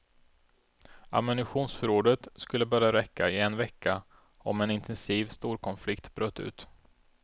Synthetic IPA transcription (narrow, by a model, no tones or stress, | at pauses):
a̰mʏnɪɧuːnsfœɾoːɖ̪ət̪skɵlːəbœɾjaɾɛkːaɪɛnvɛkʰːa | ɔmɛnɪnt̪ʰɛnsiːvst̪uːɾkʰɔnflɪkt̪bɾøːt̪ːʉ̟̰ːt̪